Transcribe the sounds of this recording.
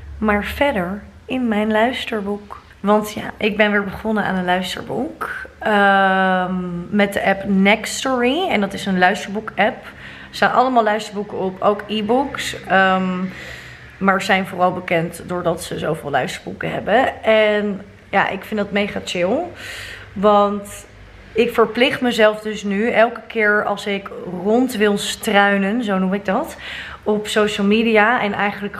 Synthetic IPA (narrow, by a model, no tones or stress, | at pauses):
maːɹv̥ɛɹdəɹ | ɪnmɛjnlœɥstəɹbuk | ʋɑntja̰ːʔɪɡ̚bɛnʋɪːɹbəχʊnəa̰ːnənlœɥstə̰ɹbukə | mmɛt̚dəʔɛpnɛkstɔɹiɛndɑtɪsənlœɥstəɹbukɛp | staːnʔɑ̰ləmaːlˠœɥstəɹbukəɔpowkibuksəm | maːɹzɛjnvʊrɑlˠbəkɛntdʊːɹdɑtsəzowvɪːlˠœ̰ɥstəɹbukəɦɛbəɛn | ja̰ːʔɪ̰kfɪndɑtmejχat͡ʃɪlˠ | ʋɑnt | ɪkfəɹplɪχtməzɛlˠfdɵsnyɛlˠkə̥kɪːɹɑ̰lˠsɪkrɔntʋɪlˠstrœɥnənzownumɪɡ̚dɑt | ɔpsowʃəlˠmiːdiaʔɛnɛjχənlək